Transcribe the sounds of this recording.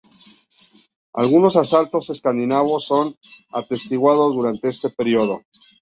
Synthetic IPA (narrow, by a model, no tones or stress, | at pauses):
a̰lɣuno̞sasalt̪o̞se̞skand̪inaβo̞sːo̞na̰t̪e̞st̪iɣwað̞o̞zðuɾant̪e̞e̞st̪e̞peɾjoðo̞